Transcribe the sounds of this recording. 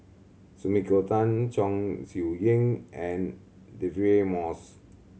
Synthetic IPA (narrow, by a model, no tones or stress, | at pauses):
sumikotãnt͡ʃɔ̃ŋsiujĩŋʔɛ̃n | deviemɔs